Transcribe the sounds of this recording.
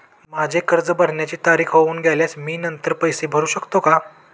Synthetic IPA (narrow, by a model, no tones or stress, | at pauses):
mad͡ʑʱekəɾd͡zəbəɽ̤ɳjat͡ɕiːt̪aɾiːkʰɦouːnɡʱjaljasmiːnənt̪əɾpəjsebʱəɾuːɕəkt̪oka